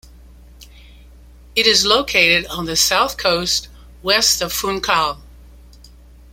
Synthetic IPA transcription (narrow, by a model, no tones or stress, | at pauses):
ɨɾɨzloʊkʰeɪɾɨɾn̩ðɨsaʊθkʰoʊst̚ | wɛstʌv̥fũnkʰɑlˠ